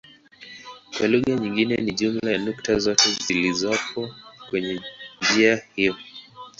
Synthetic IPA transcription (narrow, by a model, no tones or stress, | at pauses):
kwaluɣaɲiŋɡinɛniʄumlanuktazɔtɛzilizɔpʰɔkwɛɲɛɲd͡ʒiahijɔ